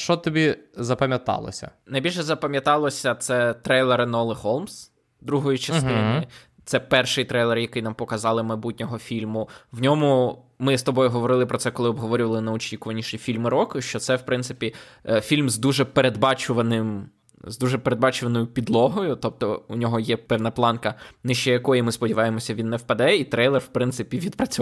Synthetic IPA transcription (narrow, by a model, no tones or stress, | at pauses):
ʃt͡ʃɔt̪ɔbʲizɐpɐmʲjɐt̪ɑ̰lˠɔ̰sʲɐ̰nɐjbʲilʲʃɛzɐpɐmʲjɐt̪ɑlˠɔsʲɐt̪sɛt̪ɾɛjlˠeɾɪnɔlˠɪhɔlˠms | d̪ɾuɦɔjit͡ʃɐst̪ɪnɪ | t̪sɛpɛrʃɪjt̪ɾɛjlˠɛrjɐkɪjnɑmpɔkɐzɑlˠɪmɐjbutʲnʲɔɦɔfʲilʲmʊwnʲɔmʊ | mɪst̪ɔbɔjʊɦɔʋɔɾɪlˠɪpɾɔtsɛkɔlˠɪɔbɦɔʋɔɾʲʊʋɐlˠɪnɐɔt͡ʃikʊʋɐnʲiʃʲifʲilʲmɪɾɔkʊʃt͡ʃɔt̪sɛwpɾɪnt̪sɪ̥pʲifʲilʲmzd̪uʒɛpeɾed̪bɑt͡ʃʊʋɐnɪm | zd̪uʒɛpeɾed̪bɑt͡ʃʊʋɐnɔjʊpʲid̪lˠɔɦɔjʊt̪ɔb̚t̪ɔʊnʲɔɦɔjɛpɛwnɐplˠɑnkɐnɪʃt͡ʃɛjɐkɔjimɪspɔdʲiʋɑjemɔsʲɐʋʲinːɛwpɐd̪ɛit̪ɾɛjlˠɛrwpɾɪnsɪpʲiʋʲid̪pɾɐt͡sʲ